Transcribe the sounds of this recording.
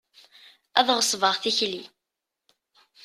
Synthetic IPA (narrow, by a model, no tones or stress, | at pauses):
æ̰ðʁəsˤvəʁθiçli